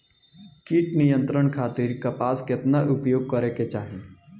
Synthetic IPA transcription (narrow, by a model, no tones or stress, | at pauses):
kiʈnɪjə̃nt̪ɾəɳkʰaːt̪ɪɾkɐpaːskɪt̪naʔʊpjoːɡ̚kɐɾeket͡ʃaːɦẽ